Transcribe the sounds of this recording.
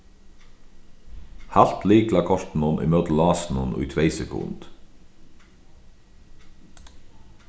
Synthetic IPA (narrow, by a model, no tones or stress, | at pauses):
hælt̪liːklɑːkʰɔʃt̪n̩ɔnʔḭːmøːt̪l̩ɑːsn̩ɔnʉ̰ːt̪ʰʋeɪsɛkʰʊ̰nd̪̥